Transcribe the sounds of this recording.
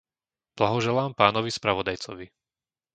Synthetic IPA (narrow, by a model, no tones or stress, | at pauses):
b̥laɦɔʒɛlaːmpaːnɔʋispɾaʋɔd̪ajt͡sɔʋi